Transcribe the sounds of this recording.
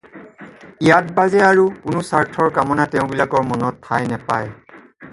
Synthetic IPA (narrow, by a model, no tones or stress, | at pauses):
ijat̚bazɛaɹukunusaɹtʰɔɹkamɔnatɛʊ̃bilakɔɹmɔnɔtʰːajnɛpa̰j